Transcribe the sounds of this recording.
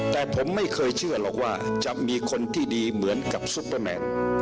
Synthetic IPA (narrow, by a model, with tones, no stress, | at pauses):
t̪ɛː˨˩pʰo˩˦mːa˥˩jkʰɤː˧jt͡ɕʰɯ˥˩ɐlɔː˨˩k̚waː˥˩t͡ɕa˨˩miː˧kʰo˧nt̪ʰiː˥˩diː˧mɯ˩˦ənka˨˩p̚su˦˥pːəː˧mɛ̰ː˧n